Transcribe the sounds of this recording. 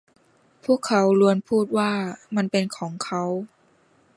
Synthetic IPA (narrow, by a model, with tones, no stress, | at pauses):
pʰu˥˩əkʰːa˨˦˥wlu˧ənpʰuː˥˩t̪̚waː˥˩ma˧˥npe˧nkʰɔː˩˦ŋkʰa˦˥w